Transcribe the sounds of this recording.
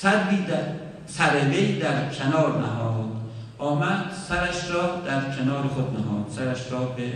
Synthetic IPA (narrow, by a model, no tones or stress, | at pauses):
sæd̪viːd̪æ | sæɾevejd̪æɾkʲʰenɒːɾnæɦɒːd̪̥ | ʔɒːmæd̪̥sæɾæʃɾɒːd̪æɾkʰenɒːɾexod̪̚næɦɒːd̪̥sæɾæʃɾɒːbe